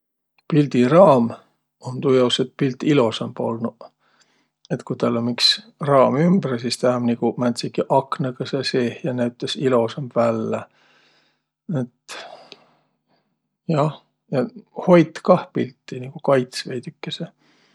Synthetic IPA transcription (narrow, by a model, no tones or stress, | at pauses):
pild̪̥irɑːm | ont̪ujowset̪̚pilt̪ːˑilo̞sembo̞̰lnu | et̪kujt̪ɑlːonmiks | rɑːmymbɾɑsist̪æhmnikumænt̪sikiʔɑknɑɡɑseseːhjɑnæyt̪lesilo̞semvælːe | et̪ | jɑh | jɑho̞jt̪kɑhpilt̪ːiniɡ̥ukɑjt̪svejd̪̥ykːese